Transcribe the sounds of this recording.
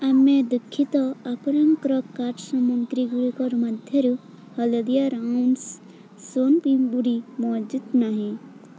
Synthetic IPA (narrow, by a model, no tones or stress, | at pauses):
amed̪ukʰːit̪ɔapɾɐŋkɾɔkːaʈsɔmuŋk̪ɾiɡuɽikɔɾmɐd̪ʱjeɾu | hɐləd̪ijaɾans | sonpimbuɽimɔd͡ʒud̪naɦĩ